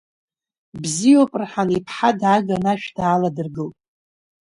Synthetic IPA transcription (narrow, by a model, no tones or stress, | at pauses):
bzijopʼrħanipʰħadʕaɡanaʃᶣdaːladɨrɡɨlpʼ